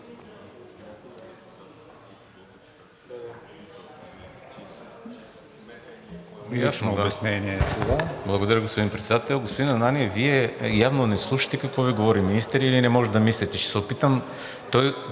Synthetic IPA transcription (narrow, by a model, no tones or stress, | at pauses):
jasnod̪bɛsnɛniɛt̪uvablˠɐɡod̪ɐɾəɡospod̪inpɾɛt̪sɛd̪at̪ɛlˠɡospod̪inɐnaniɛviɛjavnonɛslˠuʃɐ̥t̪ɛkɐkvɔviɡovɔɾiminist̪ɛɾilinɛmɔʒɛd̪ɐmislit̪ɛʃt̪ɛ̥sɛopit̪əm | t̪ɔj